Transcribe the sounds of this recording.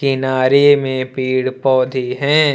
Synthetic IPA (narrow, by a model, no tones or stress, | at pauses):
kɪnaːɾimẽpiːɽpɔːd̪ʱiɦɛ̃ː